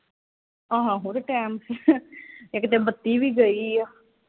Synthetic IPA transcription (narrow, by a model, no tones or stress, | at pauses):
ãːɦãːɦoːɾʈɛːms | ekɪt̪eːbət̪ːiːʋiːɡəiːaː